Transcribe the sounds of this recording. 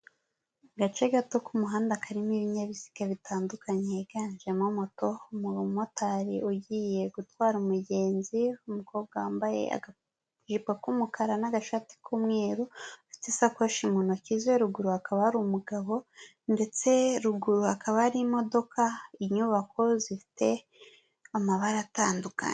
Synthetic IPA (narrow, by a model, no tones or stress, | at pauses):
ɡat͡ʃe̞ɡatokumuɦaːndakʰaɾimiβiɲaβisi̥kaβitʰaːndukʰaɲeɡanʒemomoto̞umumotaɾiʔuɟiːje̞ɡutwaːɾumuɟe̞ːnziumuko̞ːbɡawaːmbajḛa̰ɡa | ʒipwakumukʰaɾanaɡaʃati̥kʰumŋeːɾuatisakweʃimunocizweɾuɡuɾuakaβaaɾumuɡaβo̞ | nde̞t͡se̞ɾuɡuɾuhakʰaβaɾimo̞do̞kʰaiɲuβako̞zifi̥te̞ | amaβaɾataːnduka̰ɲ